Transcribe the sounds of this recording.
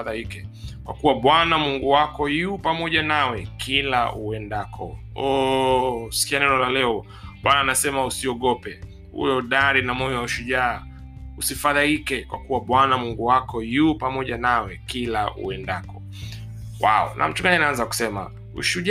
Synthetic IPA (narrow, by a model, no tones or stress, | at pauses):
aðaikɛkwa̰kuwaɓwanamuŋɡuwakɔjupamɔʄanawɛkʰilaṵɛndakʰɔ̰ | ɔ | si̥kianɛnɔlalɛɔ | ɓwanaːnasɛmausiɔɠɔpɛ | ṵjɔɗaɾinamɔjɔwauʃuʄaː | usifaðaikɛkwa̰kuwaɓwanamuŋɡuwakɔjupamɔʄanawɛkilaṵɛndakɔ | wa̰ɔ̰nʔa̰m̩t͡ʃuŋɡaɲinaanzaku̥sɛma̰ | ṵʃuʄ